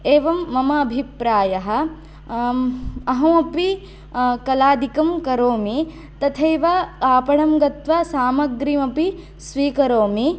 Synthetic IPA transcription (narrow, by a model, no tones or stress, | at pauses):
eːʋɐmːɐmɐːbʱipɾaːjɐɦɐ̆ | ɐɦɐmɐpi | kɐlaːd̪ikɐmkɐɾoːmi | t̪ɐt̪ʰeːʋɐkaːpɐɳɐmɡɐt̪ʋɐsaːmɐɡɾimɐpi | sʋiːkɐɾoːmi